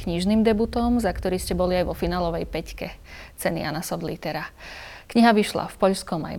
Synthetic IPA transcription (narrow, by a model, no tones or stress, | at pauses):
kɲiʒniːmd̪ɛbut̪ɔmzakt̪ɔɾiːscɛbɔliajʋɔfinaːlɔʋɛjpɛckɛt͡sɛnḭja̰nasɔd̪lḭt̪ɛɾakɲiɦaʋiʃla̰fpɔʎskɔma̰j